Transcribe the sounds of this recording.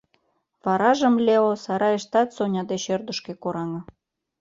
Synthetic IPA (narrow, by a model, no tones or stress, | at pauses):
vɑɾɑʒə̆mlʲeosɑɾɑeʃt̪ɑt̪sonʲɑd̪eɕørd̪ə̆ʃkekoɾɑŋɤ̆